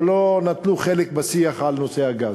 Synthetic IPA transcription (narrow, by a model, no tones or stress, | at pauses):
lonat̪luχelek̚basiaχalnosehaɡaz